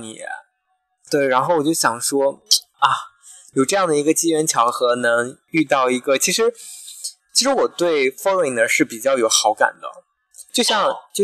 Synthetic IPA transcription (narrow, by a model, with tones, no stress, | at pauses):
nḭ˨˩ɛ̰˧˦˥ | t̪we˥˩ɪɻa˧˥nxo˥˩ʊwɔ˨˩t͡ɕjo˥˩ʊɕjɑ˨˩ŋʂwɔ˥ | ɐ˥˩ | jo˨˩ʊʈ͡ʂɤ˥˧jɑ˥˩ŋd̪ə˩i˧˥ɡə˧t͡ɕi˥ɻə˧˥nt͡ɕʰjɑ˧˥ʊxɤ˧˥nɤ˧˥ŋ | y˥˧t̪ɑ˥˩ʊi˧˥ɡə˧t͡ɕʰi˧˥ʂɻ̩˧˥ | t͡ɕʰi˧˥ʂɻ̩˧˥wɔ˨˩t̪we˥˩ɪfo˥le˧˩ɪnə˧˥ʂɻ̩˥˩pi˨˩t͡ɕjɑ˥˩ʊjo˨˩ʊxɑ˧˥ʊka̰˨˩nd̪ə̰˦ | t͡ɕjo˥˧ʊɕjɑ˥˧ŋt͡ɕjo˥˧